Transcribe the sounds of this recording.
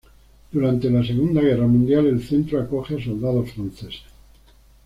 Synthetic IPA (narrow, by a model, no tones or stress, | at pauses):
d̪̥uɾant̪elase̞ɣ̞und̪aɣ̞eramũnd̪jale̞lθẽnt̪ɾoakoxeasold̪að̞ofɾanθese